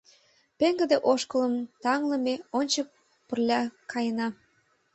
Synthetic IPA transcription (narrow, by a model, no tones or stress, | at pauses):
peŋɡə̆d̪eʔoʃkələmt̪ɑŋlə̆meonʲt͡ɕək̚ | pərlʲɑkɑjənɑ